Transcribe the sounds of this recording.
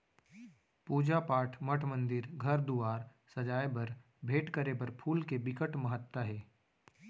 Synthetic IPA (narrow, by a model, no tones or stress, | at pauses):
puːd͡ʒapaːʈʰməʈʰmə̃nd̪ɪɾɡʱɐɾd̪uaːɾ | sɐd͡ʒaːjbɐɾ | bʱeːʈkəɾebəɾpʰuːlkebɪkəʈmɐɦət̪waɦɛː